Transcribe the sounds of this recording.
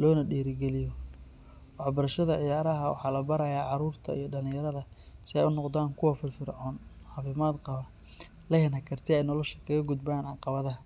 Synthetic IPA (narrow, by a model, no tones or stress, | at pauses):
lɔːnɐɖiːɾɪɡɛlɪjɔ | wɑħbɐɾɐʃɐðɐʕɪjaːɾɐɦɐwɑ̰ħɑːlɐbɐɾɐjaːʕɑɾuːrt̪ʰɐ̰ḭjɞɖɐlɪ̃jɐɾɐðɐ | sɪɛjʊnɔqd̪aːŋkʰʊwɐfɪlfɪɾɔːn | ʕɑːfɪmaːd̪qɑβɐ | lɛhɐnhɐkʰɐrt̪ʰɪɛjnɔlɔʃɐ̥kʰɐɣɐɡʊd̪baːnʕɑqɑβɐðɐɦ